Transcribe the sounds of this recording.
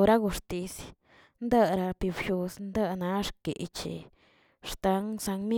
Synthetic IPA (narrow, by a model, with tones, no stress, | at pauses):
ɾa˦ɡu˧ʂt̪i˧sja | nd̪a˦ɾa˧pi˧bʃu˧snd̪a˦na˧˦ʂkḛ˨t͡ʃḭ˧ | ʂt̪a˧ŋsa˧ŋmi˦